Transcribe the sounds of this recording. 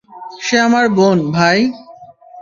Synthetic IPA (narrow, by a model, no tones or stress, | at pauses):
ʃeamaɾbonbʱaj